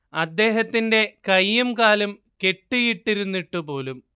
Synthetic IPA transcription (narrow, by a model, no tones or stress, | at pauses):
ɐd̪ːe̞ːɦɐt̪ːinde̞kɐjːumkaːlɐm | ke̞ʈːijiʈːiɾunːiʈːupo̞ːlum